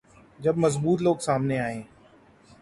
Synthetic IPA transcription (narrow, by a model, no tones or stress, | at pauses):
d͡ʒɐbmɐzbuːt̪loːɡsaːmneaːɦẽː